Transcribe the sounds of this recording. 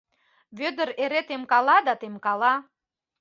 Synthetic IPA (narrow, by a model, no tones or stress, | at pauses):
βød̪ə̆ɾeɾet̪emkɑlɑd̪ɑt̪emkɑlɑ